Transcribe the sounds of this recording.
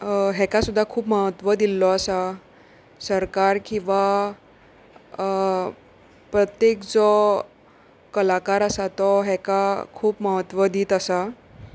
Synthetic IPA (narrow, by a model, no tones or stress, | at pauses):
ɦɛkasud̪ʱːakʰuːpməɦət̪ʋəd̪ilːɔəsa | səɾkaɾkĩʋa | pɾət̪jekd͡zɔ | kəlakaɾəsat̪ɔɦɛkakʰuːpməɦət̪ʋəd̪iːt̪əsa